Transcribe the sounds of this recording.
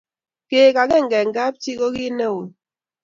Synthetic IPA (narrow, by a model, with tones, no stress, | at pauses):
ke˨ka˨ke˦˨ŋ̩˨ɡɛ˨ŋ˦ɡa˦p̚t͡ʃi˦ko˦ki˦nɛ˦o˨